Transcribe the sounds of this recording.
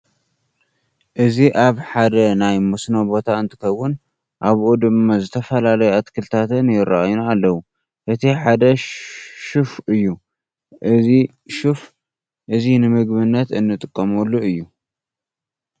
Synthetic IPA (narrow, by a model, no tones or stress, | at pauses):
ʔɨziʔaβħad̪ɐnajmosnobo̞t̪ʰaɨnt̪ʰɨ̥kɐwːʊn | ʔaβʔud̪ɨmːazɨt̪ʰɐfɐlalɐjɛat̪kʰɨlt̪ʰat̪ʰɨnjɪɾaʔajnalːɐwu | ʔɨt̪ʰiħad̪ɐ | ʃɨfɨjːu | ʔɨzi | ʃɨf | ʔɨzinɨmɨɡbɨnːɐt̪ɨnːɨt̪ʼɨkʼːɐmolːuɨjːu